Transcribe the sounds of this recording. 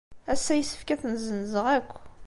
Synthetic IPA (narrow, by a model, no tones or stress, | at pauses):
æsːæjəsə̥fkæθnzənzəʁækʷː